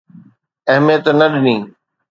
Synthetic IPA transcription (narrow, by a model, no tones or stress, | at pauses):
ɐɦɪmijət̪nəɗɪnĩː